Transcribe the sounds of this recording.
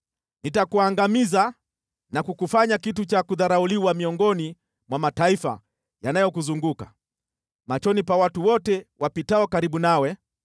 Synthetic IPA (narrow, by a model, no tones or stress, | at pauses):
nitakuaŋɡamiza | nakukufaɲakit̬ut͡ʃakuðaɾauliwamiɔŋɡɔni | mwamataifa̰ | janajɔkuzuŋɡuka | mat͡ʃɔnipawatuwɔtɛwapitaɔkaɾiɓunawɛ